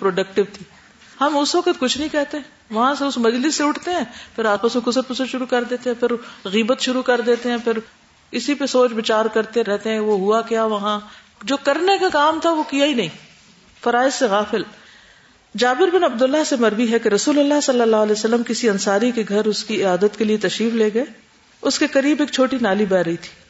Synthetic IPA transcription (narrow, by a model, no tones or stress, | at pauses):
pɾoːɖɐk̚ʈɪʋt̪ʰiː | hɐmʊsʋɐkət̪kʊt͡ʃʰnɐɦĩkɛɦt̪eɦɛ̃ː | ʋɐɦãseʊsmɐd͡ʒlɪsːeʊʈʰt̪eɦɛ̃ːpʰɪɾaːpaːsmẽkʊsəɾpʊsəɾʃʊɾukɐɾd̪eːt̪ẽɦɛ̃pʰɪɾɣiːbət̪ʃʊɾukɐɾd̪eːt̪eɦɛ̃ːpʰɪɾ | ɪsipesoːt͡ʃbɪt͡ʃaːɾkɐɾt̪eɾɛɦt̪eɦɛ̃ʋoɦuakjaːʋɐɦã | d͡ʒoːkɐɾnekakaːmt̪ʰaʋokijainɐɦĩː | fɐɾaːɪzseɣaːfɪl | d͡ʒaːbɪɾbɪnɐbd̪ʊlːaɦsemɐɾbiɦɛkeɾɐsuːləlːaɦsɐlːəlːaːɦɐlɛːosɐlːəmkɪsiɐ̃nsaːɾikeɡʱɐɾʊskiɪaːd̪ət̪keliet̪ɐʃɾiːfleːɡɐeː | ʊskekɐɾiːbeːk̚t͡ʃʰoːʈinaːlibɛːɾɐɦit̪ʰi̥ː